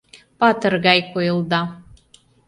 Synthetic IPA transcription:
pɑt̪ə̆rɣɑjkojɤ̆lˠd̪ɑ

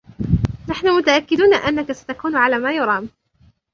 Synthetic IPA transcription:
naħnʊmʊt̪aʔakːɪd̪uːnaʔanːakasḁt̪akuːnʕalaːmaːjʊɾˤɑːm

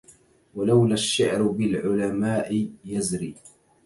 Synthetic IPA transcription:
walawlaʃːɪʕɾbɪlʕʊlamaːʔɪjazɾiː

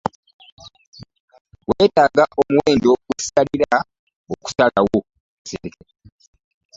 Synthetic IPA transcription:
weːtaːɡaʔomuwe̞ːndoɡwesi̥taliɾa | oku̥salawo | seke

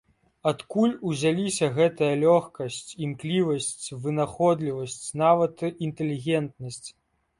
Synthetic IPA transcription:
at̪kulʲuzʲalʲisʲɐɣɛt̪ɐjɐlʲɔxkɐsʲt͡sʲimklʲivɐsʲt͡sʲvɨnaxɔd̪lʲivɐsʲt͡sʲnavɐt̪int̪ɛlʲiɣʲɛnt̪̚nɐsʲt͡sʲ

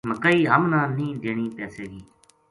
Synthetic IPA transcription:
məkəːiːɦəmnãːnĩːd̪eːɳ̃iːpɛːseːɡiː

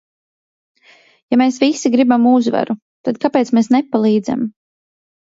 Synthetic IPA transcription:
jameːsvisiɡɾibamuzva̰ɾu | t̪ad̪̚kapeːt̪smesnepalˠiːd̪za̰m

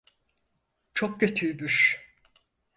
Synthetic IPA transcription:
t͡ʃʰok̚cøt̪ʰybyʃ

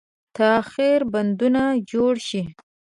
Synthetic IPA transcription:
t̪axiɾband̪unad͡ʒoɽʃi

